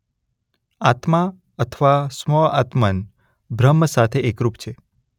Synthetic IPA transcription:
at̪ma | ət̪ʰəʋasmɔat̪mən | bʱɾəmːəsat̪ʰeekɾupt͡ʃʰe

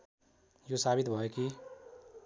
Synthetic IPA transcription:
josabit̪bʱʌeki

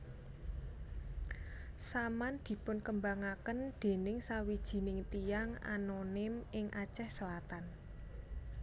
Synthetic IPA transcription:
samand̪̥i̤pʊnkəmbaŋakənd̪̥e̤nɪŋsawid̥ʒ̥i̤nɪŋt̪ijaŋa̰nonɪmɪŋʔat͡ʃɛhsəlat̪an

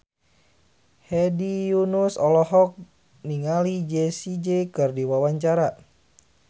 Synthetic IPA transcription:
hɛdijunusɔlɔɦɔk̚ | niŋalid͡ʒɛsid͡ʒɛkɨrdiwawaɲt͡ʃaɾa

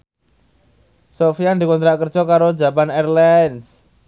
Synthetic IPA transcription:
sofiand̪ikɔnt̪ɾaʔkər̥ʒ̥ɔkaɾo̥d͡ʒapanɛrlans

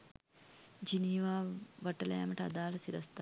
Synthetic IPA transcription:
d͡ʒiniːʋaːʋɐʈɐlɐ̰ja̰məʈəad̪aːlɐsiɾɐst̪a

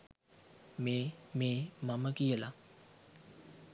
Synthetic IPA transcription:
meːmeːmɐməkijəla

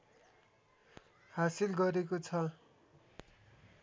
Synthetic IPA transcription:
hasilɡʌɾekot͡sʰʌ

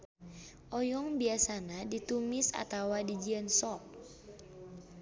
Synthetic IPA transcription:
ʔɔjɔŋbiasanadit̪umisa̰t̪awadid͡ʒiənsɔp̚

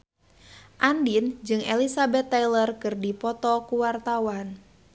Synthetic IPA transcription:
ʔandind͡ʒɨŋḛlisabɛt̪ːajlərkɨrdipɔt̪ɔkuwart̪awan

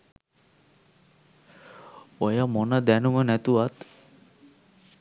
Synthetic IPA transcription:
ojamɔnad̪ænumənæt̪uat̪

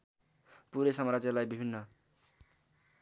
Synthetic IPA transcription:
puɾesʌmaɾad͡zʌlajbibʱinːʌ

